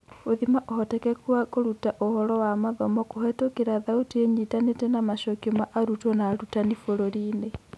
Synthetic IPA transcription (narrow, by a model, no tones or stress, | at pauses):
oðimaʔoɦɔtɛkɛkuakoɾutaʔohɔɾɔwamaðɔmɔkoɦɛtokeɾaðaotieɲitanetɛnamaʃɔkiomaʔaɾutɔnaːɾutanifoɾoɾiːne